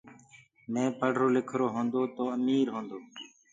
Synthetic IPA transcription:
mẽːpəɽ̤ʱɾoːlekʰɾoːɦõːnd̪oːt̪oːəmiːɾɦõːnd̪oː

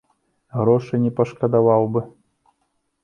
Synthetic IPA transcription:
ɣɾɔʂɨnʲɛpɐʂkɐd̪avawbɨ

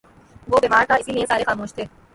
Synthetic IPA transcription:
ʋoːbeːmaːɾt̪ʰaɪsiliẽsaːɾexaːmoːʃt̪ʰeː

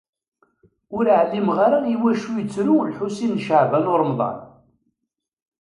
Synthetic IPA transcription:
ʊɾəʕlimʁaɾajiwæʃujət͡sːɾulħusinːʃəʕvænʊɾˤmðˤɑ̰n

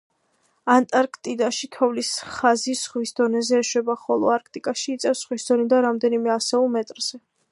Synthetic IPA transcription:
ant̪ʼaɾkʰt̪ʼid̪aʃikʰɛvlisχazisʁwisd̪ɔnɛzɛːʃwɛbaχɔlˠɔ̰aɾk̚ʰt̪ʼikʼaʃiːt̪sʼɛfsχwisd̪ɔnid̪aɾamd̪ɛnimɛasɛulˠmɛt̪ʼɾz̥ɛ

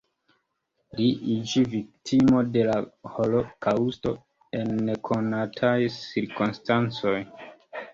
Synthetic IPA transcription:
liʔid͡ʒivik̚tʰimo̞de̞laho̞lo̞kausto̞ | e̞nːe̞kʰo̞natʰajsiɾkonstant͡so̞j

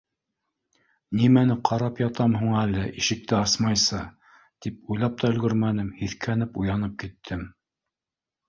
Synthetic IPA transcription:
nimænɘqʰɑɾɑpjɑt̪ɑmhuɴælɘʔiʃɘ̆k̚t̪ɘɑsmɑjsɤ | t̪ipujlˠɑp̚t̪ɑɵ̆lɡɵɾmænɘmhiθkʰænɘpujɑnɤp̚kit̪ʰːɘm

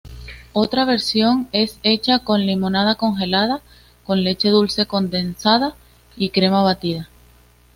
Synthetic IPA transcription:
o̞t̪ɾaβ̞e̞ɾsjo̞ŋe̞se̞t͡ʃako̞nlimõ̞nað̞ako̞ŋxe̞lað̞a | ko̞nle̞t͡ʃe̞ðulse̞ko̞nd̪e̞nsað̞a | ikɾe̞maβ̞at̪iða

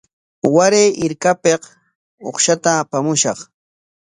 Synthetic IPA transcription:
waɾejʔɪɾkapeq | oχʃat̪aːpamʊʃɑχ

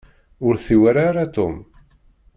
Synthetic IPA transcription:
ʊɾθiwaɾaɾat̪ʊm

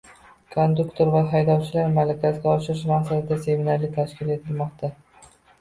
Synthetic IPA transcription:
kʰond̪ʊkt̪ʰoɾvaɦajd̪ɒwt͡ʃʰɪlaɾmalakʲazɡʲaɒʃɪɾɪʃ̬maqsad̪ɪd̪ase̞minaɾlit̪ʰaʃkʲɪle̞t̪ʰɪlmɒqt̪ʰa

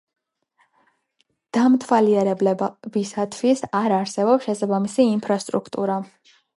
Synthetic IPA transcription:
d̪̥amt̪ʰwaliɛɾɛblɛbisat̪ʰwisaɾaɾsɛbɔpsʃɛsabamisiːmpʰɾast̪ʼɾṵkʰt̪ʼuɾa

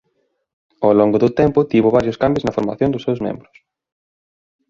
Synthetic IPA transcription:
oloŋɡʊðʊt̪ɛmpʊt̪iβʊβaɾjʊskambjoznɐfoɾmaθjõnd̪ʊsːewzmḛ̃mbɾʊs

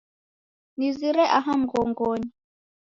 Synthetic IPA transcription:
niziɾɛʔaɦam̩ɡɔŋɡɔɲi

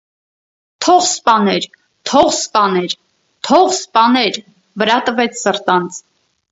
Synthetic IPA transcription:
t̪ʰɔʁspɑnɛɾ | t̪ʰɔʁspɑnɛɾ | t̪ʰɔʁspɑnɛɾ | vəɾɑt̪əvɛt͡sʰsəɾt̪ɑnt͡s

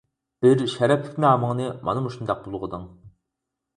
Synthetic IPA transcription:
b̥ɪɾʃɛɾɛpʰɪ̥kʲnɑmɨŋnɨmɑ̰nɨmuʃund̪ɑq̚bolˠʁəd̪ɨŋ

